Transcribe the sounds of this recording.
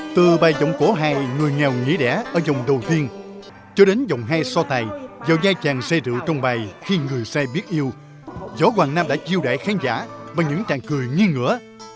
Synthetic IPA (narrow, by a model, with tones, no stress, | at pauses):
t̪ɨ˨˩ɓaː˨˩jzɔ̰˧˨wŋ͡mko˨˦ɦaː˧jŋɨ˨˩əjŋɛ˨˩wŋḭ˧˥ɗɛ̰˧˥ʔəː˧˩zə˨˩wŋ͡mɗə˨˩wt̪i˧ən | t͡ɕɔ˧ɗe˨˦nzə̰˧˨wŋ͡mɦaː˧jsɔ˧t̪aː˨˩jzɔ˨˩wzaː˧jt͡ɕaː˨˩ŋsɛ˧t̪ɨ̰˧˨wt͡ɕɔ˧wŋ͡mɓaː˨˩jxi˧ŋɨ˨˩əjsɛ˧ɓi˦˥t̚ʔi˧əw | zɔ˨˦kwaː˨˩ŋnaː˧mɗa̰ː˧˥t͡ɕi˧əwɗa̰ː˧˨jxaː˨˦ŋza̰ː˧˥vaː˨˩ɲɨ̰˧˥ŋt͡ɕa̰ː˧˨ŋkɨ˨˩əjŋi˧ŋɨ̰˧˥ə